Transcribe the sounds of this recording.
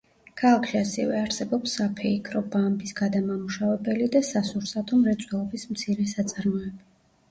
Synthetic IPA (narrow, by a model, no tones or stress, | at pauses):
kʰalˠakʰʃiasɛvɛaɾsɛbɔpsːapʰɛikʰɾɔbambisɡ̥ad̪amamuʃavɛbɛlid̪asasuɾsat̪ʰɔmɾɛt̪sʼwɛlˠɔbismt̪sʰiɾɛsat̪sʼaɾmɔɛba